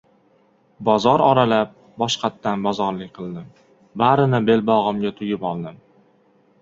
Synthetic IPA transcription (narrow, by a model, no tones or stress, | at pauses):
bɒzɒɾɒɾalap̚ | bɒʃqʰɑt̪ːanbɒzɒɾlɪkʲqʰɨlˠd̪ɪm | baɾɪnɪbe̞lbɒʁɨmɡʲat̪ʰʊjɪpɒlˠd̪ɪm